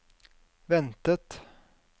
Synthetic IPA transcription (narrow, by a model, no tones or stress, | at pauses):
vɛnt̪ət̪